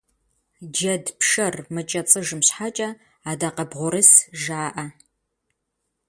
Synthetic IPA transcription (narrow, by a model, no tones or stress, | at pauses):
d͡ʒɐdpʂɐrmɨt͡ʃʼɐt͡sʼɨʒɨmɕħat͡ʃʼɐ | aːdaːqɐbʁʷʊɾɨsʒaːʔɐ